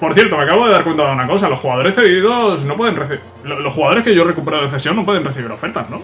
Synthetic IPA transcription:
poɾθje̞ɾt̪o̞meakaβoðeðaɾkwe̞nt̪aaunako̞salo̞xuɣaðo̞ɾe̞sθe̞ðiðo̞sno̞pwe̞ðe̞nreθi | lolo̞sxuɣaðo̞ɾe̞skeʝore̞kupeɾaoeθe̞sjo̞ŋno̞pweð̞e̞nreθiβiɾo̞fe̞ɾt̪azno

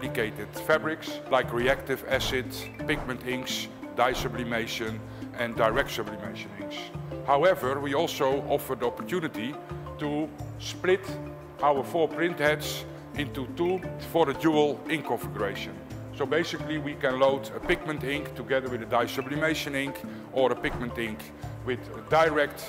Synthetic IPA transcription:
dɪkeɪtɪd̥fæbɹɪkslaɪkɹiæk̚tɪvæsɪd | pɪk̚mə̃ntɪ̃ŋks | daɪsəblimeɪʃə̃n | ʔɛ̃ndaɪɹɛk̚tsəblimeɪʃə̃nɪ̃ŋkshawɛvə˞wiɔlˠsoʊʔɔfə˞diɔpəɹtjunɨtitusplɪt | ʔawə˞fɔːɹpɹɪ̃nthɛds | ʔɪ̃ntutufɔɹdəduəlˠɪ̃ŋkɔ̃nfɪɡjuɹeɪʃə̃n | soʊbeɪsɪkliwikɛ̃nloʊdəpɪk̚mə̃ntɪ̃ŋktuɡɛðə˞wɪðədaɪsəblimeɪʃə̃nɪ̃ŋk | ʔəɹəpɪk̚mə̃ntɪ̃ŋk | wɪð | daɪɹɛk̚t

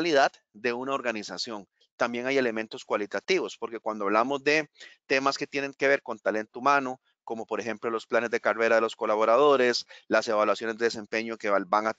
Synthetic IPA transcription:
liðad̪ | d̪e̞unao̞ɾɡanisasjo̞ŋ | t̪ambje̞ŋaje̞le̞mẽ̞nt̪o̞skwalit̪at̪iβo̞spo̞ɾke̞kwand̪oaβlamo̞zd̪e̞t̪e̞maske̞t̪je̞nẽ̞ŋke̞βe̞ɾko̞nt̪ale̞nt̪oumãno | ko̞mo̞po̞ɾexe̞mplo̞lo̞splane̞zd̪ekare̞ɾaðe̞lo̞sko̞laβo̞ɾað̞o̞ɾe̞slase̞βalwasjo̞nezd̪eðes̬e̞mpe̞ɲo̞keabaŋa

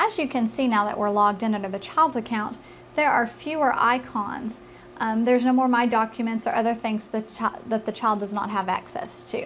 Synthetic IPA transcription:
ɨzjɨkʰɨ̃nsinaʊðə̰ʔwɪɹlɔɡ̚dɪ̃nʌ̃ndə˞ðɨt͡ʃʰaɪlˠdzɨkʰãʊ̃n | ðə˞ə˞fjʉə˞ʔa̰ɪkʰɑ̰̃nz̥ | ðə˞znoʊmɔɹmaɪdɑkʰjɨmɨ̃ntsə̰˞ʔʌðə˞θɪ̃ŋz̥ðɨt͡ʃðɨt̪̚ðɨt͡ʃʰaɪlˠdʌznə̰t̚ɦəvæ̰ksɛ̰stʰʉ

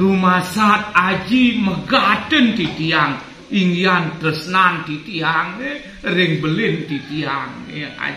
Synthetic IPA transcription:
rumasat̪̚ad͡ʒiməɡatənt̪it̪iaŋ | iŋiant̪əsnant̪it̪iaŋe | ɾɪŋbəlɪnt̪it̪iaŋəa̰

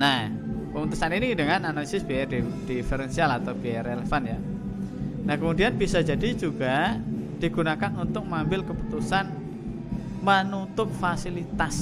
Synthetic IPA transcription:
napəmut̪usaniniidəŋananalisɪsb̥iadid̥ifeɾɛnsialat̪awbiaɾelefanja | nahkəmudianb̥isad͡ʒadid͡ʒuɡ̥ad̥iɡ̥unakanunt̪ʊk̚mambɪlkəpu̥t̪usan | mənut̪ʊp̚fasilit̪as

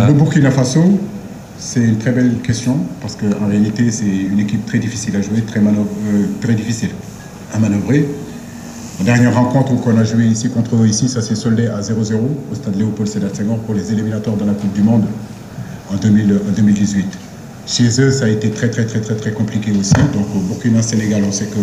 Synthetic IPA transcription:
ləbuʁkʲinafaso | sɛt̪ynt̪χɛbɛlkʲɛst̪jɔ̃paʁsə̥kəɑ̃ʁealit̪esɛynekʲip̚t̪χɛd̪ifisilaʒuet̪χɛmat̪χɛd̪ifisil | amanɔvʁe | ɑ̃d̪ɛʁnjɛʁːɑ̃kɔ̃t̪χəkɔ̃naʒueisikɔ̃t̪χəoisisasɛlsɔld̪eazeʁozeʁoost̪ad̪leopɔlsed̪asɛ̃ɡɑ̃puʁlezeliminat̪waʁd̪ɑ̃lakup̚d̪ymɔ̃d̪ | ɑ̃d̪ømilɑ̃d̪ømild̪izɥit̪ | ʃezøsaːet̪et̪χɛt̪χɛt̪χɛt̪χɛt̪χɛkɔ̃plikʲeosid̪ɔ̃kobukinãseneɡalɔ̃sɛkə

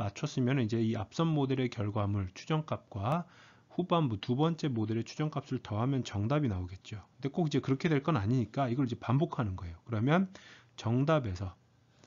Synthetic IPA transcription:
mat͡ɕʰʌs͈ɯmjʌnɯnid͡ʑe̞iap̚s͈ʌŋmodeɾe̞kjʌɭɡwamɯɭt͡ɕʰu̥d͡ʑʌŋk͈ap̚k͈wa | ɸubambutubʌnt͡ɕ͈e̞mode̞ɾe̞t͡ɕʰu̥d͡ʑʌŋk͈ap̚s͈ɯɭtʌɦamjʌnt͡ɕʌŋdabinaoɡe̞t̚t͡ɕ͈okɯnde̞k͈oɡid͡ʑe̞kɯɾʌkʰe̞dwe̞ɭk͈ʌnaɲiɲik͈aiɡʌɭid͡ʑe̞pambokʰanɯnɡʌe̞jokɯɾʌmjʌn | t͡ɕʌŋdabe̞sʰʌ

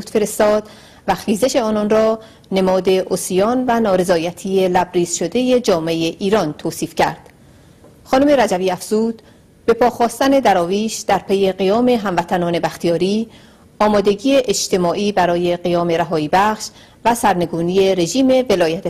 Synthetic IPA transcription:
ut̪fe̞ɾe̞st̪ɒːd̪̥ | væxiːze̞ʃe̞ɒːnɒnrɒː | ne̞mɒːd̪e̞ʔosijɒːnvænɒːɾe̞zɒːjæt̪ʰiːe̞læbɾiːsʃo̞d̪e̞jed͡ʒɒːmeejeʔiːɾɒnt̪ʰoːsiːfcæ̰ɾd̪̥ | xɒːnume̞ɾæd͡ʒæviːæfz̥uːd̪̥ | be̞pʰɒːxɒːst̪æne̞d̪æɾɒːviːʃd̪̥æɾpʰe̞je̞ɢijɒːme̞ɦæmvæt̪ʰænɒːne̞bæxt̪ʰijɒːɾiː | ɒːmɒːd̪e̞ɟiːeʔed͡ʒt̪e̞mɒːʔiːbæɾɒːje̞ɢijɒːme̞ɾæɦɒːiːbæχʃ | væsæɾne̞ɡuːnije̞ɾe̞ʒiːme̞ve̞lɒːjæt̪ʰ

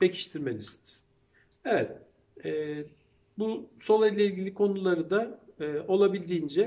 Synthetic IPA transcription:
be̞cʰi̥ʃt̪ʰiɾme̞lʲisiniz̥ | evɛt̪̚ | ɛː | busolˠajlʲˠɛilʲɟilʲikʰo̞nulˠaɾɯd̪aɯːo̞lˠabilʲd̪iːnd͡ʒɛ

